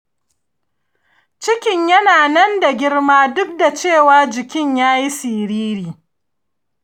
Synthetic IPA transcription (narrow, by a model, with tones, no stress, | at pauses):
t͡ʃɪ˦kʲɪ˨ɲjɐ˦naː˨nɐ˦nda˨ɡʲɪ˦rmaː˦dʊ˦k̚da˨t͡ʃeː˦˨waː˦d͡ʒɪ˨kʲɪ˦ɲjaː˦ji˦si˨ɾiː˦ɾiː˨